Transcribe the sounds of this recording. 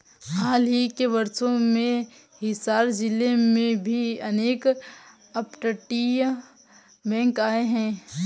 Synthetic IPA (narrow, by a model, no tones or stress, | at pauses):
ɦaːlɦikebɐɾsõmẽ | ɦɪsaːɾd͡ʒɪlemẽbʱiɐneːk | ɐpʈəʈij | bɛ̃ːŋkaːeɦɛ̃ː